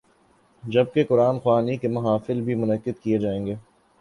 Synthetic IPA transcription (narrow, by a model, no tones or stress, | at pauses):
d͡ʒɐb̚kekʊɾaːnxwaːnikemɐɦaːfɪlbʱimʊnəkːɪd̪̚kied͡ʒaːẽːŋɡeː